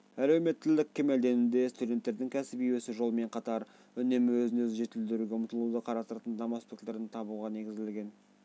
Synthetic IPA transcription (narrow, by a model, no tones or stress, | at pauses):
æle̞wme̞t̪ːɪlɪkʲʰːe̞me̞ld̪e̞nɪd̪e̞st̪ud̪ʲe̞t̪ːeɾd̪ɪŋkʲʰæsɪpijwesɪʒo̞lˠme̞ɴqʰɑt̪ɑɾ | ʏne̞mɪwɵzɪnɵzɪʒe̞t̪ɪld̪ɪɾuɡʲeʊmət̪əlˠud̪əqʰɑɾɑst̪əɾt̪ənd̪ɑmospekleɾɪnt̪ʰɑβuʁɑne̞ɡʲɪzɪlɡʲe̞n